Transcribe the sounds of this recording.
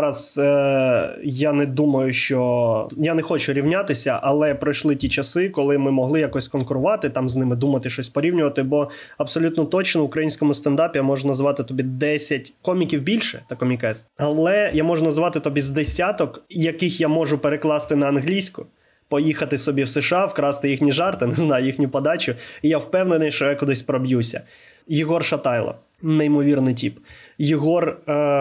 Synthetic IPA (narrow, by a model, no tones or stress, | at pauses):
ɾɐz | janɛd̪umɐjʊʃt͡ʃɔjanɛxɔt͡ʃʊɾʲiwnʲat̪ɪsʲɐʔɐlˠɛpɾɐjʃlˠɪtʲit͡ʃɐsɪkɔlˠɪmɪmɔɦlˠɪjɐkɔsʲkɔnkʊɾʊʋɑt̪ɪt̪ɑmznɪmɪd̪umɐt̪ɪʃt͡ʃɔsʲpɔɾʲiwnʲʊʋɐt̪ɪbɔ | ɐbsɔlʲut̪nɔt̪ɔt͡ʃnɔʋʊkɾɐjinʲsʲkɔmʊst̪ɐnd̪ɑpʲijamɔʒʊnɐzʋɑt̪ɪt̪ɔbʲid̪ɛsʲɐt̚ʲkɔmʲikʲiwbʲilʲʃɛt̪ɐkɔmʲikɛsɐlˠɛjamɔʒʊnɐzʋɑt̪ɪt̪ɔbʲizd̪esʲat̪ɔkjɐkɪxjamɔʒʊpeɾeklˠɑst̪ɪnɐːnɦlʲijsʲkʊ | pɔjixɐt̪ɪsɔbʲiwseʃɑwkɾɑst̪ɪjixnʲiʒɑrt̪ɪneznɑjʊjixnʲʊpɐd̪ɑt͡ʃʊijawpɛwnenɪjʃt͡ʃɔjakʊd̪ɪsʲpɾɔbjusʲɐ̰ | jɪɦɔrʃɐt̪ɑjlˠɐ̰ | neimɔʋʲirnɪjt̬ʲipjɪɦɔr